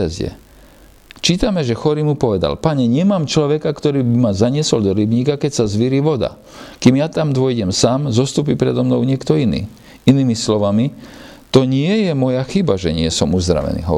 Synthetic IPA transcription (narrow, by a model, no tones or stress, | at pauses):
ɛzɛ̰ | t͡ʃiːt̪amɛʒɛxɔɾimupɔʋɛd̪a̰lpaɲɛɲɪɛmaːmt͡ʃlɔʋɛkakt̪ɔɾiːbimazaɲɪɛsɔld̪ɔɾibɲiːkakɛcsazʋiɾiːʋɔd̪a̰ | kiːmjat̪amd̪ʊɔjɟɛmsaːmzɔst̪uːp̬ipɾɛd̪ɔmnɔʊɲɪɛkt̪ɔinḭː | iniːmislɔʋami | t̪ɔɲɪɛjɛmɔjaxibaʒɛɲɪɛsɔmuzd̪ɾa̰ʋɛ̰nḭːɦɔ̰